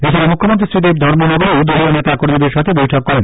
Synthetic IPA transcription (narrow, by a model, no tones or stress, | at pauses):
et͡ɕʰaɾamukʰːomont̪ɾisɾid̪ip̚d̪ʱɔɾmonɔɡoɾud̪ʱoɾionet̪akoɾmid̪eɾʃat̪ʰebojʈʰɔkːɔɾen